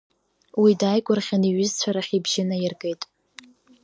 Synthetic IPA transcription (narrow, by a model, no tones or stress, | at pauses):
widajkʷʼʊrχʲaniɥʏzt͡sʷʰaɾaχʲibʒɪnajɪrɡʼejtʼ